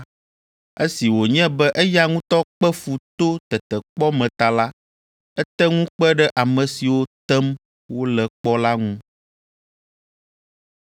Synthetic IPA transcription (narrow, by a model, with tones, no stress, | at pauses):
e˦si˨wo˨ɲɛ̃˦bɛ˦ʔɛ˦ja˦ŋũ˦t̪ɔ˦k͡pɛ˦fu˨t̪o˦t̪ɛ˨t̪ɛ˨k͡pɔ˦mɛ̃˨t̪a˨la˦ | ɛ˦t̪ɛ˦ŋũ˦k͡pɛ˦ɖɛ˦ʔa˨mɛ̃˨si˨wo˦t̪ɛ˦m | wo˦lɛ˨k͡pɔ˦la˦ŋũ˦